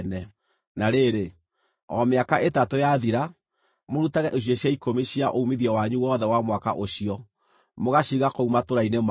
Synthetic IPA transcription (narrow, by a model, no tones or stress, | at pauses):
nɛ | naɾeɾe | ɔmeakaʔetatojaðiɾa | moɾutaɣɛʔeɕ̬iɔɕjaikomiɕiaʔoumiðiɛwaɲuwɔðɛwamwaka̰ʔoɕiɔ | moɣaɕiɣakoumatoɾainem